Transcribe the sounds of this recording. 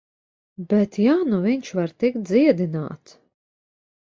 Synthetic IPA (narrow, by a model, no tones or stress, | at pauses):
bɛt̪jaːnuviɲt͡ʃvaɾt̪ik̚t̪̚d̪ziɛd̪ina̰ːt̪s